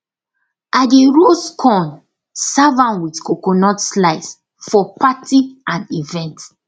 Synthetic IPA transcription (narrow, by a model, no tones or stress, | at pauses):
ʔadeɹoskʰɔ̃n | savãnwitkokɔnɔtslaɪs | fɔpatiãnivɛ̃nt